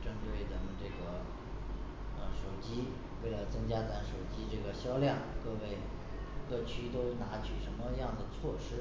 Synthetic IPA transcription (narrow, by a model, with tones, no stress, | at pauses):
ʈ͡ʂə˥nt̪we˥˩ɪt̪ə˧˥˩ŋʈ͡ʂɤ˥˩ɡə˩ | ə˧ʂo˨˩ʊt͡ɕi˥ | we˥˩ɪlə˩t͡sɤ˥ŋt͡ɕja˥t̪a˧˥nʂo˨˩ʊt͡ɕi˥ʈ͡ʂɤ˥˩ɡə˩ɕjɑ˥ʊljɑ˥˩ŋkɤ˥˧we˥˧˩ɪ | kɤ˥˩t͡ɕʰy˥t̪o˥ʊna˧˥t͡ɕʰy˨˩ʂə˧˥nmə˧jɑ˥˩ŋd̪ə˩t͡sʰwɔ˥˩ʂɻ̩˥